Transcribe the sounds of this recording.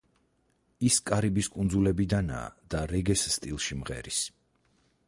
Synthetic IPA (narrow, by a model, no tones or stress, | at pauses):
iskʼaɾibiskʼund̪zulɛbid̪ana̰ːd̪̥aɾɛɡɛsːt̪ʼilˠʃimʁɛ̰ɾis